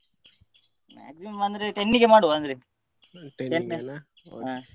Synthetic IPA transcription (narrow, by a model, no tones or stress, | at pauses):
ma̰ːksimɐmɐnd̪ɾeʈenːiɡemaːɽuɐnd̪ɾe | ʈʈene | ɦa